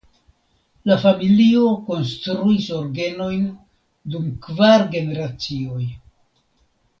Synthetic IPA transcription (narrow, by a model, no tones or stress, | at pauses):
lafamilio̞ko̞nstɾuiso̞ɾɡe̞no̞jn | dumkvaɾɡe̞ne̞ɾat͡sio̞j